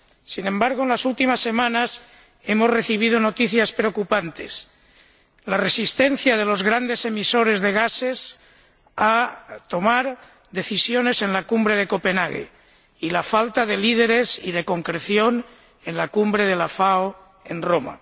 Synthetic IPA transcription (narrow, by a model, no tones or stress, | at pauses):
sinẽ̞mbaɾɣ̞oenlasult̪imasːe̞mãnas | e̞mo̞zre̞θiβ̞ið̞o̞no̞t̪iθjaspɾeokupant̪es | lare̞sist̪en̟θjað̞e̞lo̞zɣɾand̪e̞se̞miso̞ɾe̞zðeɣ̞ase̞s | at̪o̞maɾ | d̪e̞θisjone̞se̞nlakumbɾe̞ðe̞ko̞pe̞naɣḛ | ilafalt̪aðe̞lið̞e̞ɾe̞sið̞e̞ko̞ŋkɾeθjo̞n | e̞nlakumbɾeð̞elafao | enroma̰